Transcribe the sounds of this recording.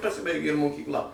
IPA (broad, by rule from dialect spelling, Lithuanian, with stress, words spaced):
pɐˈsʲɪbɐɪɡʲeː ɪr moːkʲiːkˈlˠɐ